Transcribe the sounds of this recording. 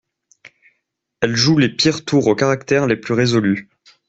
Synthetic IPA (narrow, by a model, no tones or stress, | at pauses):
ɛlʒulepiʁt̪uʁokaʁakt̪ɛʁleplyʁezɔly